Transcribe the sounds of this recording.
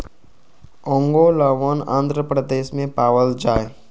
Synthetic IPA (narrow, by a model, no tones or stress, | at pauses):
õːŋɡolaːʋaːnã̰ːnd̪ʱɾəpɾəd̪eːʃmẽpaːʋəld͡ʒaːe